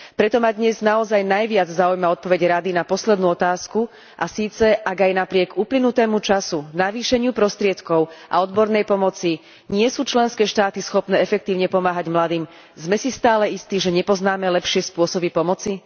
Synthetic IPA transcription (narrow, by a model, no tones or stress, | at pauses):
pɾɛt̪ɔmad̪ɲɛznaɔzajnajʋɪad͡zzaːujmaɔt̪̚pɔʋɛɟɾad̪inapɔslɛd̪nuːɔt̪aːsku | ʔasiːt͡sɛʔaɡajnapɾɪɛɡuplinut̪ɛːmut͡ʃasunaʋiːʃɛɲɪupɾɔst̪ɾɪɛt̪kɔʊʔa̰ɔd̪bɔɾnɛjpɔmɔt͡si | ɲɪɛsuːt͡ʃlɛnskɛːʃt̪aːt̪isxɔpnɛːɛfɛk̚t̪iːʊɲɛpɔmaːɦaɟmlad̪iːm | zmɛsist̪aːlɛist̪iʒɛɲɛpɔznaːmɛlɛpʃɪɛspʊɔsɔbipɔmɔt͡si